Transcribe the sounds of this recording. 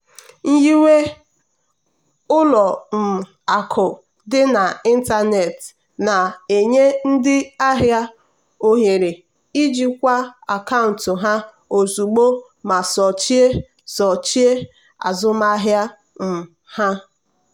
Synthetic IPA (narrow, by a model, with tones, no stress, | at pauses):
ŋ̩˦ji˦we˦ | ʊ˦lɔ˨m̩˨ | a˨kʰʊ˨ | dɪ˦na˨i˦n̩˦ta˦ne˨t | na˨e˨ɲe˦n̩˦dɪ˦a˦ɦja˦ | o˦ɦe˨ɾe˨ | i˦d͡ʒi˦kʷa˦a˨ka˦ʊ̃˨n˨tʊ˨ɦa˦ | o˨zu˨ɡ͡bo˦ | ma˨sɔ˨t͡ʃi˦e˦ | sɔ˨t͡ʃi˦e˦ | a̰˨zʊ˦ma˦ɦja˦ | m̩˨ | ha˦